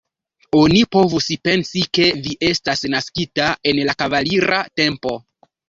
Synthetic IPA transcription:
o̞nipo̞vuspe̞nsike̞viʔe̞stasnaskitae̞nlakavaliɾate̞mpo̞

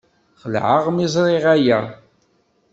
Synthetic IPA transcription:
χəlʕaʁmizˤɾˤɪʁæjæ

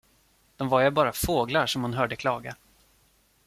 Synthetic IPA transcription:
d̪̥ɔmvaɾjabɑːɾafoːɡlaʂɔmhʊnɦœːɖəkʰlɑːɡa

